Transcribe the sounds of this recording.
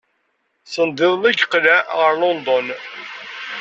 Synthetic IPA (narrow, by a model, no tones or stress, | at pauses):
sənd̪ɪðˤlæɡqlæʁəɾˤlond̪ɔn